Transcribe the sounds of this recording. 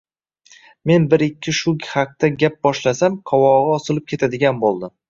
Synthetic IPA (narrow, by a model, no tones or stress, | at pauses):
me̞nbɪɾɪkʲʰːɪʃʊɡʲhaq̚t̪aɡʲap̚bɒʃlasamqʰɒwɒʁɨɒsɪlˠɪp̚kʲʰe̞t̪ʰad̪ɪɡʲanbolˠd̪ɪ